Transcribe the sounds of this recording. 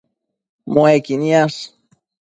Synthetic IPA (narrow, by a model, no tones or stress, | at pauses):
moekinjas